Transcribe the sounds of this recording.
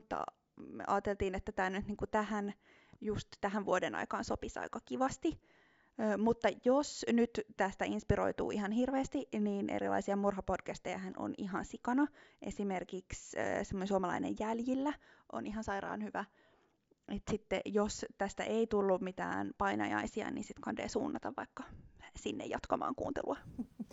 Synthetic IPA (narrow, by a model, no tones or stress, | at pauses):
mut̪ːɑ̰ | mɑːt̪elt̪iːnet̪ːæt̪æːnyt̪niːŋkut̪æhæn | just̪tæɦæʋʋuodenʔɑ̰ikɑːnsopisɑ̰ikɑkiʋɑst̪i | øːmut̪ːɑjosnyt̪t̪æst̪æinspiɾo̰it̪ṵːiɦɑnhirʋeːst̪iniːnʔḛɾḭlɑ̰isiɑmurɦɑpod̥kæst̪ejæ̰hæno̰nḭɦɑnsikɑnɑʔesimerkiksø̰ːsemːonensuomɑlɑ̰inḛjjæljilːæʔo̰niɦɑnsɑirɑ̰ːnhyʋæ | ʔet̪sit̪ːḛjost̪æst̪æʔeit̪ulːummit̪æ̰ːnpɑinɑ̰jɑ̰isiɑ̰nḭːnsit̪kʰɑndḛːsṵːnːɑt̪ɑʋʋɑikːɑsinːḛjɑt̪kɑmɑ̰ːŋkṵːnt̪ḛlṵɑ